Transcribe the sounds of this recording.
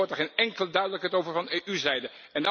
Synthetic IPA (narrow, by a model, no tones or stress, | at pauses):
ɔɹtəɹχejnɛŋkələdœɥdələkɦətowvəɹvɑneːʔyzɛjdə | ɛnd